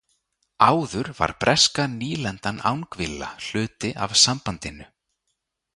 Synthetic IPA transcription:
aːwðʏɾva̰ɾ̥pɾʔɛskaniːlɛnt̪ana̰wnkvɪlːa̰l̥ʏːt̪ɪʔa̰v̥sampant̪ɪnʏ

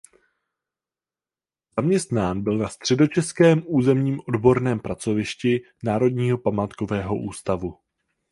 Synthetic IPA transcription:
z̥amɲɛst̪naːnbɪlnast̪r̝̥ɛdo̞t͡ʃɛskɛːmʔuːzɛmɲiːmʔo̞dbo̞ɾnɛːmpɾat͡so̞vɪʃcɪ | naːɾo̞dɲiːɦo̞pamaːt̪ko̞vɛːɦo̞̰ʔuːst̪avu

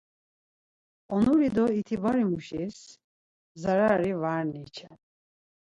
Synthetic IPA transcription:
ɔnuɾid̪ɔit̪ʰibaɾimuʃis | zaɾaɾivaɾnit͡ʃʰɛn

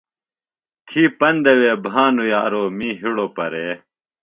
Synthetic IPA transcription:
t̪ʰiːpɐnd̪eweːbʱãːnujaːɾoːmiːɦiɽoːpɐɾeː

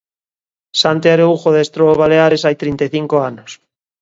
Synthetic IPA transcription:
sant̪eaɾeuxoðest̪ɾoβaleaɾesajt̪ɾint̪eθiŋkoanos

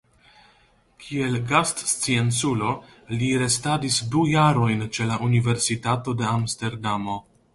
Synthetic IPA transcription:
kʰie̞lɡastst͡sient͡sulo̞ | liɾe̞stadisdujaɾo̞jnt͡ʃe̞laʔunive̞ɾsitato̞de̞amste̞ɾdamo̞

